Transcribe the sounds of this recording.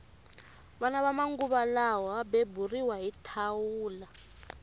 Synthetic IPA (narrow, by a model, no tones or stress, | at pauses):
βɔnaβamaŋɡuβalawaɓeburiwaɦitʰawuːla